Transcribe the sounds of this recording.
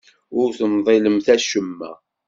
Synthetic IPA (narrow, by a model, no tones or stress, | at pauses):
ʊɾθənðˤɪləmθæʃəmːæ̰